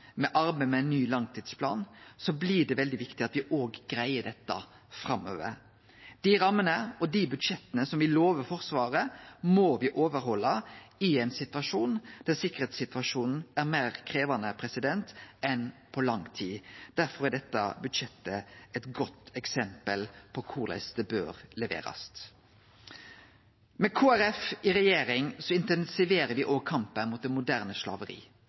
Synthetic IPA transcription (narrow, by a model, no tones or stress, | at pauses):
mɛʔɑɾbæmɛɛɪnːyːlɑŋt̪ʰiːd̪spʰlɑ̰ːnsɔblɪɖ̪ɛʋɛld̪ɪʋɪkt̪ɪɑt̪ʋɪʔoːɡɡɾæɪəɖɛt̪ːɑ | fɾɑmːø̰ːʋə̰ɾ | d̪̥iɾɑmːənəɔd̪ibʉd̪ʂɛt̪ːənəsɔmʋɪloːʋəɾfɔɾsʋɑːɾəmɔʋɪʔoːʋəɾɦɔlːɑɪɛɪnsɪt̪ʋɑʂuːnd̪̥æɾsɪkːəɾeːt̪sɪt̪ʋɑʂuːnn̩æɾmeːɾkʰɾeːʋɑnəpʰɾɛsɪd̪ɛnt̪ɛnpʰɔlɑŋt̪ʰiːd̪̥æɾfɔɾæɖ̪ɛt̪ːɑ̰bʉd̪ʃɛt̪ːəɛt̪ɡɔt̪ːɛksɛmpəlpʰɔkʰʊɾlɛ̰st̪əbø̰ːɾlɛʋḛːɾɑ̰st̪ | mɛkʰoːæɾɛfɪɾɛjeːɾɪŋsɔɪnt̪ɛnsɪʋeːɾəɾʋɪʔɔːkʰɑmpənmuːt̪̚d̪ɛnmʊd̪æʁnəʃlɑ̰ːʋəɾḭː